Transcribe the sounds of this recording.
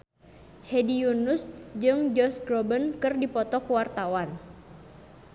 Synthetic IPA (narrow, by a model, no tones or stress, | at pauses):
hedijunusd͡ʒɨŋd͡ʒɔsɡɾɔbənkɨrdipɔt̪ɔkuwart̪awan